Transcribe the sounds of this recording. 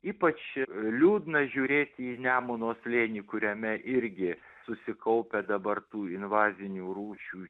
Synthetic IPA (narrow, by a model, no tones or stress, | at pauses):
iːpɐt͡ʃlʲuːd̪nɐʒʲuːɾʲeːt̪ʲiːnʲæːmʊnoːslʲeːnʲiːkʊɾʲɛmʲɛʔɪɾʲɡʲɪ | sʊsʲɪkɐʊpʲɛd̪ɐbɐrt̪uːɪnʋɑːzʲɪnʲuːɾuːt͡ʃʲuː